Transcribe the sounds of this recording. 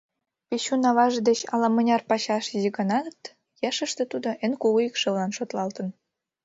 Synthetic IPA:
peɕunɑβɑʒed̪et͡ɕɑ̰lɑmɤ̆nʲɑrpɑɕɑʃiʒiɡənɑt̪ | jɑʃə̆ʃt̪ĕt̪ud̪oʔenkuɣuikʃɤβlɑnʃot̪lɑlt̪ə̆n

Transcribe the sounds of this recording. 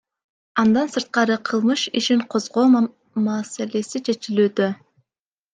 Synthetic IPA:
ɑnd̪ɑnsɯɾt̪̚qɑɾɯqʰɯlˠmɯʃiʃiɴqʰo̞zʁo̞ː | mɑsele̞sit͡ʃʰe̞t͡ʃilyːd̪ø

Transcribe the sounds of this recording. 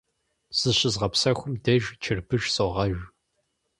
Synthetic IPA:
z̥ɨɕɪzʁɐpsɐxʷʊmdɐʒt͡ʃʰɪrbɨʒsoʁɐʒʷ

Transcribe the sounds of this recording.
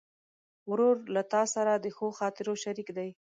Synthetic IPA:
ɾoɾlat̪ɑsaɾad̪əxoxɑt̪ɪɾoʃaɾikd̪aj

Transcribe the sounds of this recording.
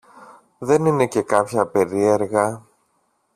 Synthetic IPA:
ðe̞nine̞ce̞kɐpçɐpe̞ɾie̞ɾɣɐ

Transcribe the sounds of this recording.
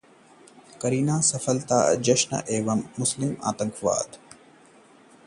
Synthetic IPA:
kɐɾiːnaːsɐfɐlt̪aːd͡ʒɐʃnɐ̰ʔeːʋɐmːʊslɪma̰ːt̪ɐŋkʰʋa̰ːd̪

